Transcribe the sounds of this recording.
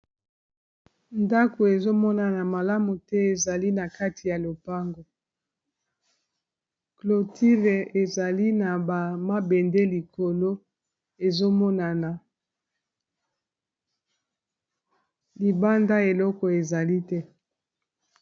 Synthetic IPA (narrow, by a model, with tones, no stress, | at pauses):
nda˦ko˨e˨zo˦mɔ˦na˨na˨ma˨la˦mu˨tɛ˦e˨za˨li˦na˨ka˦ti˨ja˨lo˨pa˦ŋɡo˨ | klo˨tʰi˦ʁe˨e˨za˨li˦na˨ba˨ma˦be˨nde˦li˨ko˨lo˦ | e˨zo˦mɔ˦na˨na˨ | li˨ba˦nda˦e˨lɔ˦kɔ˨e˨za˨li˦tɛ˦